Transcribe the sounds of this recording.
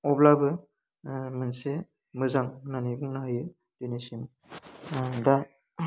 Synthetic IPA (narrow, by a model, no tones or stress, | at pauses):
ɔblabɯ | mɯnse | mɯzaŋnanibuŋnaɦajɯ | d̥enisim | da